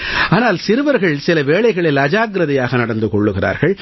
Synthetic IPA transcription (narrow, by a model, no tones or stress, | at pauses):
aːnaːlsɪɾɯʋɐɾɣɐɭsɪlɐʋeːɭɐɪɣɐɭɪlɐd͡ʒaːɡɾɐðɐjaːɣɐnɐɽɐnd̪ɯkɔɭːɯɣɪra̰ːɾɣɐɭ